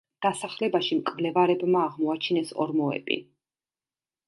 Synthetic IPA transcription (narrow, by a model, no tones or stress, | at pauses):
d̪̥asaχlɛbaʃimkʼvlɛvaɾɛbmaːʁmɔat͡ʃʰinɛsɔ̰ɾmɔɛ̰bʼḭ